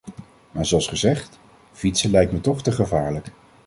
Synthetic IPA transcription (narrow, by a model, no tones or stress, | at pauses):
maːɹzoɑlˠsχəzɛχt | vitsəlɛjk̚tmətɔχtəχəvaːɹlək